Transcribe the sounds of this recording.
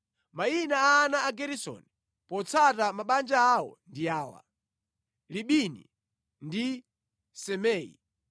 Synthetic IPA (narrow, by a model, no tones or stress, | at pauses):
mainaaːnaːɡɛɾisɔ̰ni | pɔt͡sʰatamaɓand͡ʒaːwɔ̰ndiaːwa̰ | liɓinḭ | ndi | sɛmɛːḭ